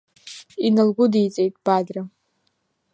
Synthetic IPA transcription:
inɨlɡʷʊdijt͡sʼejtʼb̥adra

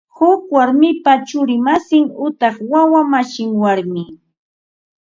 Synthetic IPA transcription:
hʊkwaɾmɪpat͡ʃʊɾɪmasɪŋʊt̪ɑχwawamaʃɪŋwaɾmɪ

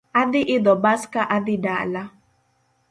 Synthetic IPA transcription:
ad̪ɪʔid̪ɔbaskaʔad̪iɖaʔla

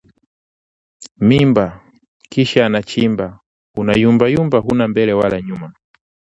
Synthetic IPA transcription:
mimba | kiʃaːnat͡ʃimba | unajumbajumbaɦunambɛlɛwalaɲuma

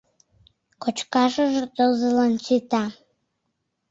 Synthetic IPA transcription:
kot͡ʃkɑʒəʒət̪ozəlɑnt͡ʃit̪ɑ

